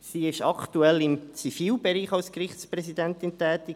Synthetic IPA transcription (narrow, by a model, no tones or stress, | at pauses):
siːɪʃɑkʰt̪uɛlɪmt͡sifiːlbɛɾiːχɑlskrɪχtspɾɛsidɛnt̪ɪntɛːt̪i